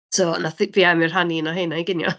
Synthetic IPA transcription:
tʰoːnaθiviːamɪr̥ɦaninɔɦeːnaiɡɪnjɔ̰

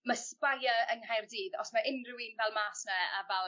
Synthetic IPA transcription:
maspajaənɦajrdiːðɔ̰smaʔɪnrɪwinvɛlˠmaːsnɛavɛlˠ

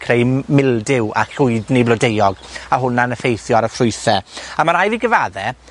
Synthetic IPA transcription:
kʰrejmɪlˠdɪwa̰ɬʊɨdnejblɔdejɔɡaɦʊnanəfejθjɔɾəfrʊɨθɛamaɾajviɡəvaðɛ

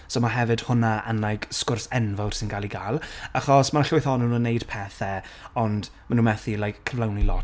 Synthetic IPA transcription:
sowmaɦɛvɨd̥hʊnaə̰nlajkskʊrsɛnvɔwr̥sɪnɡalˠiɡalˠaχɔsmanaɬʊjθɔnunənːejd̥pʰɛθɛɔnd | manuːnmɛθilˠajkʰːəvlˠawnilɔt

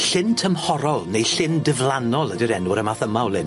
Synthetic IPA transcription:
ɬɪntʰəmhɔɾɔlˠnejɬɪndɪvlˠanɔlˠədiɾɛnwɪɾəmaθəmawlˠɪn

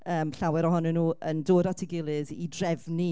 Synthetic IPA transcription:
əːmɬawɛɾɔɦɔnɛnuːəndoːɾatʰɪɡɪlˠɨðidrɛvni

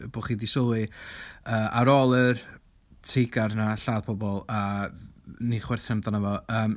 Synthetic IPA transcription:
b̥oχiːdisʊlˠwɨ | əːʔaɾɔlˠər | tʰɪɡarnaɬaːðpʰɔbɔlˠa | niχwɪrθr̥ɛmðɔnəvɔəːm

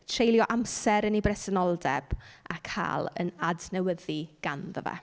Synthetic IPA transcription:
tʰrejljɔʔamsɛɾənibrɛsənɔlˠdɛb̥akʰa̰ːlˠə̰nadnɛwəðiɡ̥anðəvɛ̰

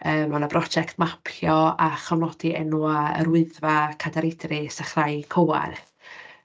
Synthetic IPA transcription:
əːmanəbrɔd͡ʒɛktmapʰjɔaχawnɔd̥iɛnuaə̰ɾwɪɨðvakʰadaɾɪdrɪsaχrajkʰəwa̰r

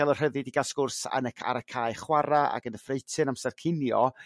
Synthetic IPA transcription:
ɛlˠɔr̥həðɨdiɡaskʊrsa̰nəkʰa̰ɾəkʰaːɨχwaɾaa̰ɡənəfrejtʰɨnamsɛrkʰɪnjɔ

